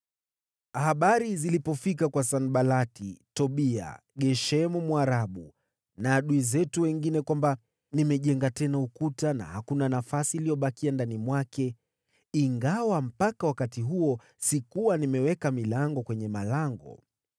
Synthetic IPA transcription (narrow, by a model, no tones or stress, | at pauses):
ahaɓaɾizilipɔfik̬akwasanɓalatitɔɓia̰ɠɛʃɛmumwaɾaɓu | naːɗuizɛtuwɛŋɡinɛkwamba | nimɛʄɛŋɡatɛnaukutana̰hakunanafasilijɔɓakiandanimwakʰɛ | iŋɡawam̩pakawakatiɦuɔ | sikuwanimɛwɛkamilaŋɡɔkwɛɲɛmalaŋɡɔ̰